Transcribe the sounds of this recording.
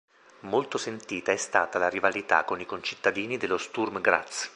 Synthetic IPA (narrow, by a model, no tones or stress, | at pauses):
molt̪osent̪iːt̪aɛst̪aːt̪alaɾivalit̪a̰kːonikont͡ʃi̥t̪ːad̪iːnid̪elːost̪urmɡɾa̰t̪s